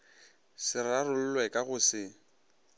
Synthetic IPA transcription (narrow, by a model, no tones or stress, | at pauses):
sɪrarʊl̩lwɛkʼaɣʊsɪ